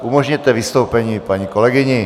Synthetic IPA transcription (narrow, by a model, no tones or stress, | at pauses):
umoʒɲɛt̪ɛvɪst̪owpɛɲiːpaɲiːkolɛɡɪɲɪ